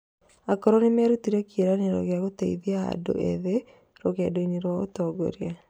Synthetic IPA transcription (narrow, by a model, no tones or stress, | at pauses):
akɔɾonemɛɾutiɾɛkjeɾaneɾɔ̰ɣjaɣotaiðiaa̰do̰ʔḛðe | ɾoɣɛdoineɾwaɣotɔɡɔ̰ɾia